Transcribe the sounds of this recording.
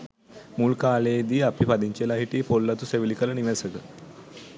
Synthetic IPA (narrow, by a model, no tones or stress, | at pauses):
muːlkaled̪iːapipad̪iɲt͡ɕelaɦiʈiːpolːat̪useʋilikaləniʋesəɡə